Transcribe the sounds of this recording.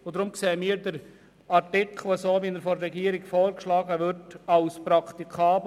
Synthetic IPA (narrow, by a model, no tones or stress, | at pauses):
od̪ɾʊmkseːəmiːəɾdəɾ | ɑɾtɪkʰl̩ˠəsoːʋinəɾfɔɾːɛɡiːəɾɪɡfɔːɾkʃlɑːɡəʋʏɾtɑlspɾɑkʰt̪ikʰɑːb